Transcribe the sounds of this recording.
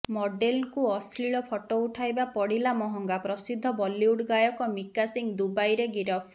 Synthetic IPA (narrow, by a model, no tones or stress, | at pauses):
mɔɖelŋkuɔsʰɾiɭɔpʰɔʈɔuʈʰajbapɔɽilamɔɦɔŋɡapɾɔsid̪ʱːɔbɔlːiuɽɡajɔkɔmikasiŋd̪ubajɾeɡiɾɔpʰ